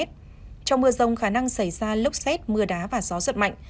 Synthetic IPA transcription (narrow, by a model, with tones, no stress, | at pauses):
t̚ | t͡ɕɔ˧wŋ͡mmɨ˧əzə˨˩wŋ͡mxaː˧˩na˧ŋsa˧˩jzaː˧lɨ˦˥wk͡p̚sɛ˦˥t̚mɨ˧əɗaː˨˦vaː˨˩zɔ˨˦swə˧˩t̚ma̰˧˨jŋ̟